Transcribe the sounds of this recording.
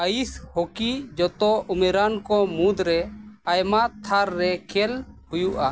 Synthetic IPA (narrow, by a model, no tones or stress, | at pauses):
əishɔkid͡ʒɔt̪ɔʔumɛɾankɔmud̪ɾɛajmat̪ʰaɾːɛkʰɛlhujuʔa